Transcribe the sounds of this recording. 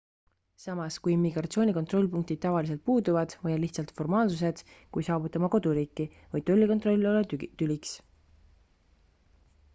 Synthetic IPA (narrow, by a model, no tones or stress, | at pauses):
sɑmɑskujimːiɡ̥ɾɑt̪sio̞ːnʲiko̞nt̪ro̞lʲːpuŋk̚t̪id̪̥̚t̪ːɑvɑlis̬e̞lt̪̚puːd̪uvɑd̪̥vɤjɑliht̪sɑlt̪fo̞rmɑːlsus̬e̞d̪̥kujsɑːvut̪ːˑɑmɑko̞d̪̥uɾiːkːˑi | vɤj̪t̪o̞lʲːikot̪ro̞lʲːo̞let̪ylʲiks